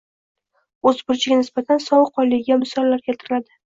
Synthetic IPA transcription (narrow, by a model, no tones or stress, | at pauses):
ɵzbʊɾt͡ʃʰɪɡʲanɪsbat̪ʰansɒwqʰɒlˠːɪɡʲamɪsɒlˠːaɾɡʲʰat̪ʰɪɾɪlad̪ɪ